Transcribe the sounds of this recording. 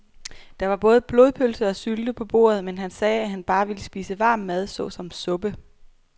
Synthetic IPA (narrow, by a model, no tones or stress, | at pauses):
d̥ɑ̈ʋɑ̈b̥ɔ̽ːð̞ˠb̥lo̝ːð̞ˠpʰølsəɒ̽syld̥əpʰɒ̽b̥o̝̰ːɐð̞̩ˠmenɦænsɛːæɦænb̥ɑ̈ːʋiləsb̥ḭːsəʋɑ̈ːmːæð̞ˠsɔ̽sɒ̽msɔ̽b̥ə